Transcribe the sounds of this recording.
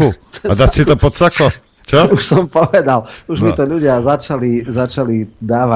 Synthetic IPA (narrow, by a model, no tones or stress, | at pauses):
uad̪atsit̪ɔpɔt̪t͡sakɔ | t͡ʃɔuʃsɔmpɔʋɛd̪aluʒmit̪ɔʎuɟɪazat͡ʃalizat͡ʃalid̪aːʋa